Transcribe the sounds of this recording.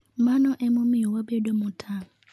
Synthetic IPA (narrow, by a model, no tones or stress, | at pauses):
mãnʊ̃ʔɛmʊ̃mĩwɔbɛdomʊ̃tʰa